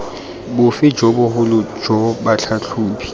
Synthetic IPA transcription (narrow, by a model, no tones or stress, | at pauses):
bʊfɪd͡ʒɔbʊɦʊlʊ̥d͡ʒɔbaɬʰaɬʰuːpʰi̥